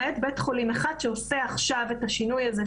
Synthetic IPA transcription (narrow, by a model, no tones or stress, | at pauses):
et̪betχolimeχad̥ʃeoseaχʃave̞taʃinujaze